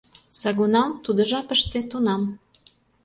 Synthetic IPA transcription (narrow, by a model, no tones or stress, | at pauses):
sɑɣunɑmt̪ud̪ə̆ʒɑpəʃt̪et̪unɑm